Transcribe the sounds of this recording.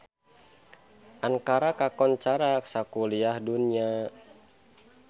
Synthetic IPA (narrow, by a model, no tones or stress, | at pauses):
ʔaŋkaɾakakɔnt͡ʃaɾaksakuliahdunia